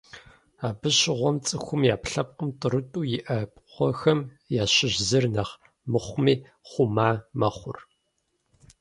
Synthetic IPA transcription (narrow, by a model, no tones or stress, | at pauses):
aːbɨɕɪʁʷɔmt͡sʼɨxʷʊmjaːpɬɐp̚qəmtʼɨrɨtʼuːjɪʔɐpʼqʷɔxɐm | jaːɕɪʑzɨrnɐχ | mɨχʷmiː | χʷʊmaːmɐχʷʊ̰r